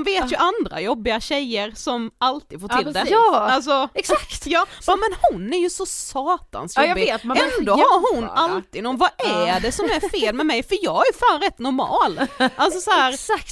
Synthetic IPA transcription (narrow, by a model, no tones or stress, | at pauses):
ʊnveːt̪jɵʔand̪ɾa̰jɔbːɪaɕɛjəɾsɔmalt̪ɪd̪foːʈʰɪld̪ɛals̬ɔɛksakt̪jɑːmɛnhʊnːæɾjɵsɔsɑːt̪a̰nsjɔbːɪɡːt̪ɛnd̪ohaɾhʊnːalt̪ɪnɔnvaæɖɛsɔmmæɾfeːlmɛmɛjfœɾjɑːɡhaæɾjɵfaːnɾɛt̪ːnɔɾmɑ̰ːlʔals̬ɔsɔæːɾ